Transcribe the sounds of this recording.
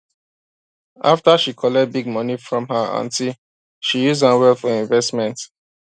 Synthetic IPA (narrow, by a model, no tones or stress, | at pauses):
ʔaftaʃikʰɔlɛt̚biɡ̚mɔnifɹɔ̃mɦəã̰ntil | ʃijuzdawɛlfɔĩɱvɛstmɛ̃nt